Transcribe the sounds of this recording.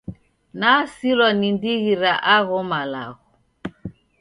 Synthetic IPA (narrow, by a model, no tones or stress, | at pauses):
nasilɔnindiɣiɾaʔaɣɔmala̰ɣɔ